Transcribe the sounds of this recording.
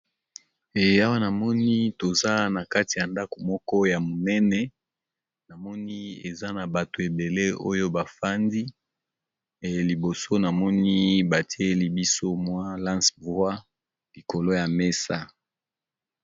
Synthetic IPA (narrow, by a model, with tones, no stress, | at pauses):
e˨ja˦wa˦na˨mɔ˦ni˦to˨za˦na˨ka˦ti˨ja˨nda˦ko˨mɔ˦kɔ˦ja˨mo˨nɛ˦nɛ˦ | na˨mɔ˦ni˦e˨za˦na˨ba˨to˨e˨be˨le˦o̰˦jo˦ba˨fa˦ndi˦ | e˨˦li˨bo˨so˦na˨mɔ˦ni˦ba˨ti˦e˦li˦bi˦so˦mwa˦lã˦nsvwa˦ | li˨ko˨lo˦ja˨me˦sa˦